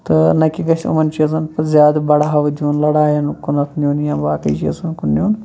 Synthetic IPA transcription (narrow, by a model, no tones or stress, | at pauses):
t̪ɨnɐkʲiɡɐʃʲṵmɐnt͡ʃizɐnpɐzʲjaːd̪bɐɽaɦɐʋd͡ʒuːnlɐɽaːjɐnkunɐt̪ʰnʲjuːnjãːbaːkɐit͡ʃḭːsɐnkunːʲuːn